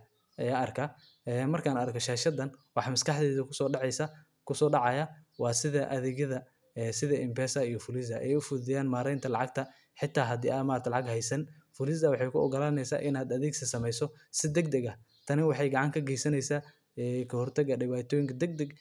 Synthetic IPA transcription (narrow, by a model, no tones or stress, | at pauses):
ʔɐjaːɐrkʰɐ | ɛːmɐrkʰaːnɐɾkʰɔʃaːʃɐd̪ɐnwɑħɑmɐskɑħd̪ɛːðɐkʰʊ̥sɔːɖɑʕɛjsɐ | kʰʊsɔːɖɑʕɑjɐwɑːsɪðɐʔɐðɪɡɐðɐ | ɛːsɪðɐʔɪmbɛːsɐijɔfʊlɪsɐʔɛ̰jʊfʊðɪjaːnmaːɾɛjnt̪ʰɐlɑʕɑɡ̚t̪ʰɐ | ħɪt̪ʰːaːɦɐd̪ḭːamaːɾɐɾt̪ʰlɑʕɑɡhɛjsɐnfʊlɪsɐwɑħɑjkʰʊɔ̰ɡɐlaːnɛjsa̰ːʔɪnaːd̪ɐðiːɡsɐsɐmɛjsɔ | sɪd̪ɛɡd̪ɐɡɐ | t̪ʰɐnɪwɑħɑjɡɐʕɑŋkʰɐɡɛjsɐnɛjsaː | ɛːkʰɐhɔrt̪ʰɐɡɐɖɪβaːt̪ʰɔːjɪŋkʰɐd̪ɛɡ̚d̪ɐɡ